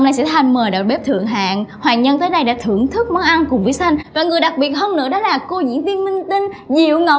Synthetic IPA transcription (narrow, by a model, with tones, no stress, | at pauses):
wŋ͡mna˧jsɛ̰˧˥t̪ʰa˨˧˩jŋ̟məː˨˩jɗa̰˨˩w̚ɓe˦˥p̚t̪ʰɨ̰˧˨əŋɦa̰ː˧˨nhwaː˨˩nɲə˧nt̪əː˨˦jɗə˧jɗa̰ː˧˥t̪ʰɨ˧˩əŋt̪ʰɨ˦˥k̚mɔ˨˦ʔa˧nkʊ˨˩ŋ͡mvi˨˦jsa˧jŋvaː˨˩ŋɨ˨˩əjɗa˨˩k̚ɓi˨˩ət̚həː˧mnɨ̰˧˥əɗɔ˨˦laː˨˩ko˧zḭ˧˥nt̪i˧nmï˧ŋ̟t̪ï˧ŋ̟zḭ˧˨əwŋə˨˩w